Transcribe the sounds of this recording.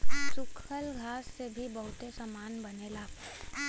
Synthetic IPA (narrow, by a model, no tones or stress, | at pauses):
sʊkʰəlɡʱaːsːebʱibɐɦʊt̪esamaːnbɐnela